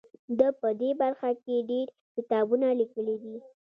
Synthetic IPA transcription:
d̪əpəd̪ebaɾxakeɖeɾ | kɪt̪ɑbunalikəlid̪i

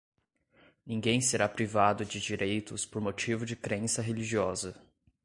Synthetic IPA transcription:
nĩɡẽj̃seɾapɾivad̪ʊd͡ʒɪd͡ʒiɾejt̪ʊspoɾmot͡ʃivʊd͡ʒɪkɾẽsɐɦeliʒiɔzɐ

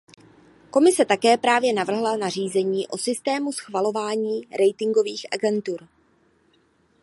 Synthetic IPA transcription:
ko̞mɪsɛt̪akɛːpɾaːvjɛnavr̩ɦlanar̝iːzɛɲiːʔo̞sɪst̪ɛːmusxvalo̞vaːɲiːɾʔɛjt̪ɪŋɡo̞viːxʔa̰ɡɛnt̪uɾ

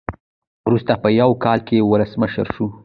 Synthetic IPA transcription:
wɾust̪apəjawkɑlkewʊləsməʃəɾʃu

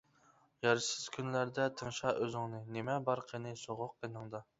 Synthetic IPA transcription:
jɑɾsɪz̥kʲʰynlæɾd̪ɛt̪ʰəŋʃɑøzɪŋnɨnemɛbɑɾqʰenɪsoʁʊq̚ːenɨŋd̪ɑ

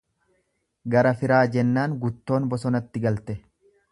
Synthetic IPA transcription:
ɡɐɾɐfɪɾaːd͡ʒɛnːaːŋɡʊt̪ːo̞ːnbɔsɔnɐt̪ːɪɡɐlt̪ɛ

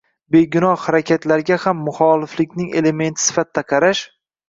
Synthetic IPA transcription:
be̞ɡʲʊnɒhhaɾakʲat̪laɾɡʲahamːʊχɒlɪflɪkʲnɪŋe̞le̞me̞nt̪ʰɪ̥sɪ̥fat̪ʰːaqʰɑɾaʃ

